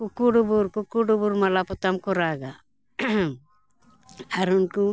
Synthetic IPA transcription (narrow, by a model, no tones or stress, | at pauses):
kukːuɽubuɾkukːuɽubuɾmɐlaput̪amkuɾaːɡa | aɾunku